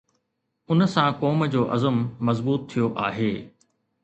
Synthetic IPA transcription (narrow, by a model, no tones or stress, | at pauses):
ʊnəsãkɔːmd͡ʑoːʔɐzəmːɐzbuːt̪ʰːijoʔaːɦeː